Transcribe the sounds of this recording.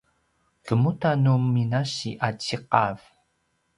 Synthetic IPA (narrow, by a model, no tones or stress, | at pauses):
kəmutanuminaɕḭʔat͡ɕiqɑv